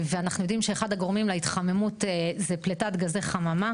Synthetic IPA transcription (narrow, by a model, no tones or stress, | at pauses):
veanaχnujod̪imʃe̞eχadhaɡo̞ʁmimlait̪χame̞mutezepletatɡazeχamama